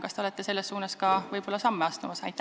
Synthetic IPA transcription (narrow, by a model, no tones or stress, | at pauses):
kɑst̪e̞olet̪ːˑe̞se̞lːesːuːnɑskɑvɤjb̥o̞lːɑsɑmːeɑst̪umɑsɑjt̪ːˑæ